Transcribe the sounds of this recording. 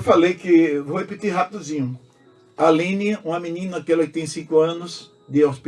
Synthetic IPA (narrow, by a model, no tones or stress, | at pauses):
falejkɪvohepit̪iɦat̪ʊzĩɲʊ | alĩniɐũɐminĩnɐakɛlɐkɪ̥t̪ẽj̃sĩkʊɐ̃nʊs | d̪ɪawspi